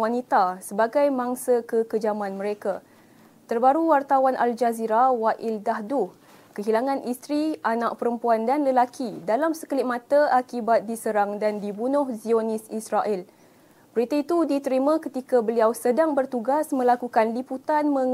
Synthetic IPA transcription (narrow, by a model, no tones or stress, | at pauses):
wanit̪asəbaɡajmãŋsəkəkəd͡ʒamãnmə̃ɾeka | t̪ərbaɾuwart̪awanʔa̰ld͡ʒaziɾawaʔɪldaɦdu | kəɦilaŋãnʔist̪ɾianãʔ̚pəɾəmpuandanləlakʰidalamsə̥kəlɪt̚mãt̪aakibat̪̚disəɾaŋdandibunʊhzionisisɾaʔil | bəɾit̪ait̪udit̪əɾimãkət̪ikabəliawsədaŋbərt̪uɡasmə̃lakukanliput̪anmə̃